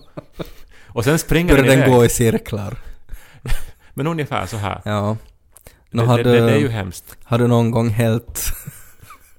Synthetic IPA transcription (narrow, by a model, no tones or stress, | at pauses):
ɔsɛnsbpɾɪŋːœɾɾjad̪ɛnɡoːɪsɪɾkʰləɾ | mɛnɵŋjəfæ̰ːɾsɔɦæ̰ːɾjɑː | d̪ɛɦad̪ːəjɦɛmst̪had̪ːd̪nɔnɡɔŋːɦeːlt̪